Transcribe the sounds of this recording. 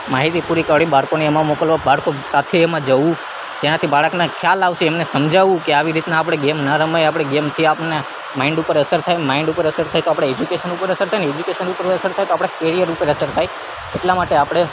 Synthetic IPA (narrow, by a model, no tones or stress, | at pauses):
maɦit̪ipuɾikəɭibaɽkoneɛmãmokəlʋabaɽkosat̪ʰeːmãd͡ʒəʋũ | d͡ʒenat̪ʰibaɭəknakʰjalaʋʃeːmnesəmd͡ʒaʋũkeaʋiɾit̪naːp̬ɽ̃eɡemnaɾəməjapɽ̃eɡemt̪ʰiapne | maiɳɖupəɾəsəɾt̪ʰajmaɪɳɖupəɾəsəɾt̪ʰajt̪oapɽ̃eed͡ʒukeʃənupəɾəsəɾt̪ʰajneed͡ʒukeʃənupəɾəsəɾt̪ʰajt̪oapɽ̃ekeɾijəɾupəɾəsəɾt̪ʰaj | eʈlamaʈeapɽ̃e